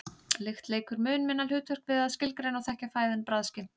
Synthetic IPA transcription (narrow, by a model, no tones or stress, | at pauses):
lɪxt̪leːjkʏɾmʏːnmɪnːalhʏːt̪ʰvœr̥kvɪðaðscɪlkɾejnɔɣθɛhcafaːjðɪnpɾaðscɪn